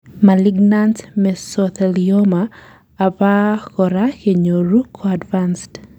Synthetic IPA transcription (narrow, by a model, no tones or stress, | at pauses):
maliɡnantmɛsɔt̪ɛliomaː | pakɔɾakeɲoɾukʰɔadvanst